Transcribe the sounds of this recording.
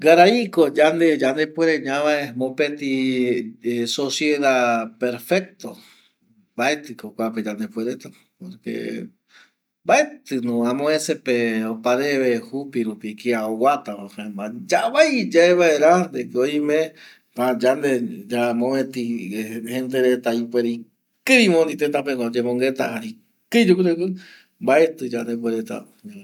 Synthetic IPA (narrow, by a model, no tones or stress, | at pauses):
ɡaɾaikod͡ʒand̪ed͡ʒand̪epweɾeɲãβaemõpet̪i | sosjeðapeɾfek̚t̪o | baet̪ɨkokʷaped͡ʒand̪epweɾet̪a | poɾkḛ | baet̪ɨnũamõesepeopaɾeβehupiɾupikiaowat̪aahambad͡ʒaβajd͡ʒaeβaeɾand̪ekoimẽ | pãd͡ʒand̪ed͡ʒamõet̪ihend̪eɾet̪aipweɾi | kɨɾĩmõnd̪it̪et̪ap̬eŋod͡ʒemõŋɡet̪a̰aɾi | kɨjd͡ʒukuɾekɨ | mbaet̪ɨd͡ʒand̪ep̬weɾet̪a̰